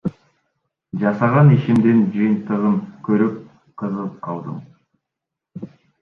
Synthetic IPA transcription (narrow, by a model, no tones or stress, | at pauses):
d͡ʒɑsɑʁɑniʃimd̪end͡ʒɯjənt̪əʁəŋkʲʰɵɾyp̚ | qʰəzəlˠp̚qʰɑlˠd̪ə̰m